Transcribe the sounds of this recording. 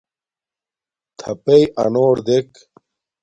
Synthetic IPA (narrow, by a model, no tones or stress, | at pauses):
t̪ʰɐpejʔɐ̰noːɾd̪ek